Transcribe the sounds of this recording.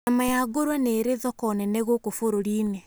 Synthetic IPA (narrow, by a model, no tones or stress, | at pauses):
namajaɡoɾwaneɾeðɔkɔnɛnɛɣokofoɾoɾiːne